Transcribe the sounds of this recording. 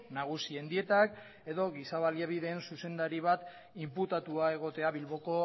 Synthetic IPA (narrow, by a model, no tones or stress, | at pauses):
naɣ̞usiend̪ie̞t̪ak | e̞ðo̞ɣisaβaljaβ̞iðe̞ːnsuse̞nd̪aɾiβ̞at̪ | imput̪at̪uae̞ɣ̞o̞t̪e̞aβilβo̞ko̞